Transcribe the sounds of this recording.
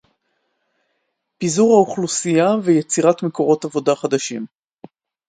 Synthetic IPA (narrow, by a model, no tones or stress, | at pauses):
pizuʁhauχlusijavejet͡siʁatmeko̞ʁo̞tavo̞daχadaʃim